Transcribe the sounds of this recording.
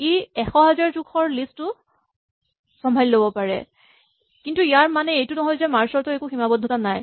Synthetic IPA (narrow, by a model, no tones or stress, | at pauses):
iɛxɔɦɛzaɹzukʰɔɹlistʊ | sɔmbʱallobɔpaɹɛ̰ | kintuijaɹmanɛejtʊnɔɦɔjzɛmaɹsɔɹtʊɛkuximabɔdʱɔtanaj